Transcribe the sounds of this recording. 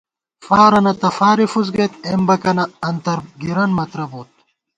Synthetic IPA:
faːɾɐnɐt̪ɐfaːɾifuz̬ɡɐt̪̚embɐkɐnɐɐnt̪ɐɾɡiɾɐnmɐt̪ɾɐboːt̪̚

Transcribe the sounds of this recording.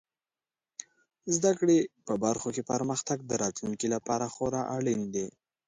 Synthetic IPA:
zd̪akɽepəbaɾxokepəɾməxt̪aɡ̚d̪əɾɑt̪luŋkilapɑɾaxoɾɑʔaɽind̪e

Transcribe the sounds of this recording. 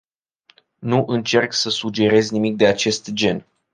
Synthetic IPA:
nuʔɨnt͡ʃe̞rksəsud͡ʒe̞ɾe̞zʲnimik̚d̪e̞at͡ʃe̞st̪d͡ʒe̞n

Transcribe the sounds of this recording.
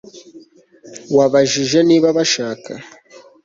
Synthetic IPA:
waβaʒiʒeniβaβaʃaka̰

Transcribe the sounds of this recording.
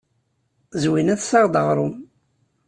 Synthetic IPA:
zwinæðsɑʁd̪əʁɾˤʊm

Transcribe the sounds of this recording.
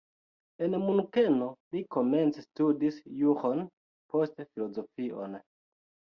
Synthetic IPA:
e̞nmunukeno̞liko̞me̞nt͡sestudisjuχon | po̞stfilo̞zo̞fiʔo̞̰n

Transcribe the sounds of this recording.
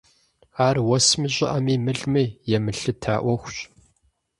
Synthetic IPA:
aːrwɔsmiɕʷʼɪ̰ʔɐmiːmɨɮmiːjɛmɨɬɨtʰa̰ːʔʷɔxʷɕ

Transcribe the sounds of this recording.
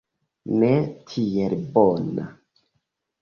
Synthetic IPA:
netʰielbona̰

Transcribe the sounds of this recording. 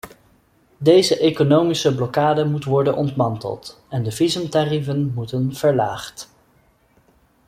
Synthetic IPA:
dejzəʔekonowmisəblɔkaːdəmutəʋɔɹdənʔɔntmɑntə̰lˠt | ɛndəvizəmtarivənmutənv̥əɹlaːχt

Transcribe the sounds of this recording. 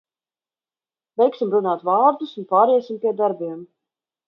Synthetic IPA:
vʲɛjksimɾunaːt̪vaːɾd̪usunpaːɾɛsimpʲiɛd̪aɾbiɛm

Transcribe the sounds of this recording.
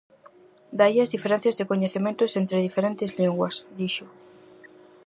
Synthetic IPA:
d̪aiazðifeɾẽn̟θjazðekoɲeθemẽnt̪osent̪ɾeð̞ifeɾẽnt̪ezliŋɡwasd̪iʃo

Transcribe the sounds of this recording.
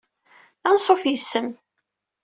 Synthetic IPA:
ænsˤofjəsːəm

